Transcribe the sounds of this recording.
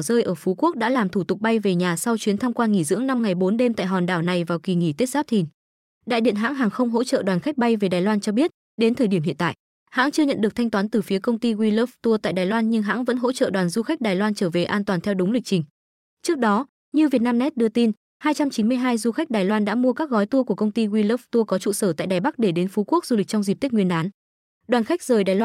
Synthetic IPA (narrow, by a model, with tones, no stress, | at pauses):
zəː˧jʔəː˧˩fu˨˦ku˦˥ək̚ɗa̰ː˧˥laː˨˩mt̪ʰu˧˩t̪ʊ˨˩k͡p̚ɓa˧jve˨˩ɲaː˨˩sa˧wt͡ɕwi˨˦nt̪ʰa˧mkwaː˧ŋi˧˩zɨ̰˧˥əŋna˧mŋa˨˩jɓo˨˦nɗe˧mt̪a̰ː˧˨jɦɔ˨˩nɗaː˧˩wna˨˩jvaː˨˩wki˨˩ŋi˧˩t̪e˦˥t̚zaː˦˥p̚t̪ʰi˨˩ŋ | ɗa̰ː˧˨jɗḭ˧˨ənɦa̰ː˧˥ŋɦaː˨˩ŋxə˧wŋ͡mɦo̰˧˥t͡ɕə̰˧˨ɗwaː˨˩nxa˦˥k̟̚ɓa˧jve˨˩ɗaː˨˩jlwaː˧nt͡ɕɔ˧ɓi˦˥ət̚ | ɗe˨˦nt̪ʰəː˨˩ɗi˧˩əɦḭ˧˨ənt̪a̰ː˧˨jʔ | ha̰ː˧˥ŋt͡ɕɨ˧əɲə̰˧˨nɗɨ˨˩ək̚t̪ʰa˧jŋt̪waː˨˦nt̪ɨ˨˩fi˨˦əkə˧wŋ͡mt̪i˧ɣwi˧lə˦˥ft̪u˧ət̪a̰ː˧˨jɗaː˨˩jlwaː˧nɲɨ˧ŋɦa̰ː˧˥ŋvə̰˧˥nɦo̰˧˥t͡ɕə̰ː˧˨ɗwaː˨˩nzu˧xa˦˥k̚ɗaː˨˩jlwaː˧nt͡ɕəː˧˩ve˨˩ʔaː˧nt̪waː˨˩nt̪ʰɛ˧wɗʊ˨˦ŋ͡mlï˨˩k̚t͡ɕï˨˩ŋ̟ | t͡ɕɨ˦˥ək̚ɗɔ˨˦ | ɲɨ˧vi˨˩ət̚naː˧mnɛ˦˥t̚ɗɨ˧ət̪i˧n | haː˧jt͡ɕa˧mt͡ɕi˨˦nmɨ˧əjɦaː˧jzu˧xa˦˥k̚ɗaː˨˩jlwaː˧nɗa̰ː˧˥mu˧əkaː˦˥k̚ɣɔ˨˦jt̪u˧əku˧˩əkə˧wŋ͡mt̪i˧ɣwi˧lə˦˥ft̪u˧əkɔ˨˦t͡ɕṵ˧˨səː˧˩t̪a̰ː˧˨jɗaː˨˩jɓa˦˥k̚ɗe˧˩ɗe˨˦nfu˨˦ku˦˥k̚zu˧li˨˩k̚t͡ɕɔ˧wŋ͡mzi˨˩p̚t̪i̟˦˥ŋwənʔaː˨˦n | ɗwaː˨˩nxa˦˥jk̚zəː˨˩jɗaː˨˩j